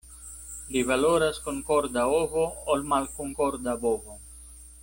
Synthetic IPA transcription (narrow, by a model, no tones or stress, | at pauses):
livaloɾaskoŋkoɾd̪aovoolmalkoŋkoɾd̪abovo